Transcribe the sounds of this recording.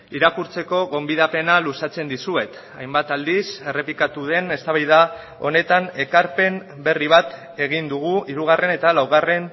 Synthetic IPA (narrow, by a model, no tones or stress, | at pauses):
iɾakuɾt͡se̞ko̞ɣo̞mbiðape̞nalusat͡se̞nd̪isue̞t̪ | ajmbat̪ald̪ise̞re̞plikat̪uð̞e̞ne̞st̪aβajða | o̞̰ne̞t̪ane̞kaɾpe̞m | be̞riβ̞at̪ | e̞ɣ̞ind̪uɣ̞uiɾuɣ̞are̞ne̞t̪alawɣ̞are̞n